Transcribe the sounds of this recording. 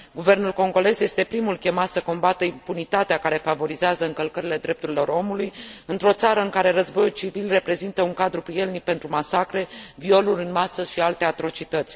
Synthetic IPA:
ɡuve̞rnulko̞ŋɡo̞le̞zje̞st̪e̞pɾimulkʲe̞mat̪səko̞mbat̪əimpunit̪at̪eakaɾe̞favo̞ɾizeazəɨŋkəlkəɾile̞d̪ɾe̞p̚t̪uɾilo̞ɾo̞mulujɨnt̪ɾo̞t̪saɾəɨŋkaɾe̞ɾəzbo̞jult͡ʃivilre̞pɾe̞zint̪əuŋkad̪ɾupɾie̞lnik̚pe̞nt̪ɾumasakɾe̞vio̞luɾʲɨnmasəʃialt̪e̞at̪ɾo̞t͡ʃit̪ət̪sʲ

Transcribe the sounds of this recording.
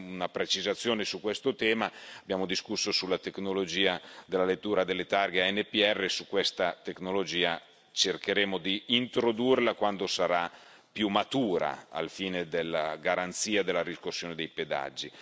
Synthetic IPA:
unapɾet͡ʃizat̪sːjoːnesukːwest̪ot̪ɛːmaːbjaːmod̪iskusːosulːat̪eknolod͡ʒiːad̪elːalet̪ːuːɾad̪elːet̪arɡeaɛnːepiɛrːesukːwɛst̪at̪eknolod͡ʒiːa | t͡ʃerkeɾeːmod̪iːnt̪ɾod̪urlakwand̪osaɾa | pjumat̪uːɾa̰a̰lfiːned̪elːaɡaɾant̪siːad̪elːaɾiskosːjoːned̪ejped̪a̰d͡ʒːi

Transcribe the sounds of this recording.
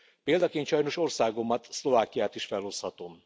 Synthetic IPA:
peːld̪ɒkeːnt̪ʃɒjno̞ʃo̞rsaːɡo̞mːɒt̪slo̞vaːkijaːt̪iʃfɛlɦo̞shɒt̪o̞m

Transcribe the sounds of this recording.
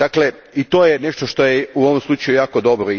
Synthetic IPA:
akle | it̪oːjene̞ʃt̪o̞ʃt̪o̞jeuoʋomslˠut͡ʃajujaːko̞d̪o̞bɾoi

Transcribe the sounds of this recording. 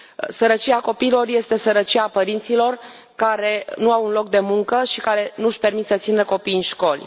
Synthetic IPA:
səɾət͡ʃiako̞piːlo̞rje̞st̪e̞səɾət͡ʃiapəɾint̪silo̞r | kaɾe̞nuawunlo̞k̚d̪e̞muŋkəʃikaɾe̞nuʃpe̞rmit̪sət̪sinəko̞pijɨnʃko̞lʲ

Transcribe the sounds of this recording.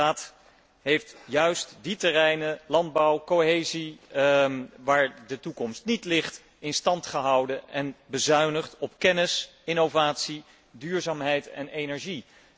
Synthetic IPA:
aːt | ɦejftjœɥstditərɛjnəlɑnd̚bɑwkoɦejzi | ʋaːɹdətukɔmstnitlɪχt | ɪnstɑntχəɦʌwdənɛnbəzœɥnəχtɔpkɛnɪs | ɪnowvaːtsi | dyːɹzaːmɦɛjtɛ̰nejnɛɹʒi

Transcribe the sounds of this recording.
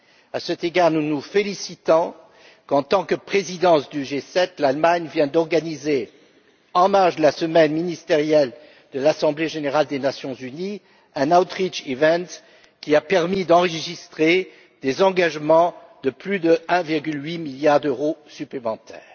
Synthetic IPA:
asɛt̪eɡaʁnunufelisit̪ɔ̃ | kɑ̃t̪ɑ̃kəpχezid̪ɑ̃sd̪yʒesɛt̪lalmaɲvjɛ̃d̪ɔʁɡanize | ɑ̃maʁʒd̪əlasəmɛnminist̪eʁjɛl | d̪əlasɑ̃bleʒeneʁald̪enasjɔ̃zyni | ɛ̃nawt̪χit͡ʃivɛ̃t̪ | kʲiapɛʁmid̪ɑ̃ʁəəʒist̪χe | d̪̥ezɑ̃ɡaʒmɑ̃ | d̪̥əplyd̪əɛ̃viʁɡʲylɥimiljaʁd̪øʁosyplemɑ̃t̪ʰɛ̰ːʁ

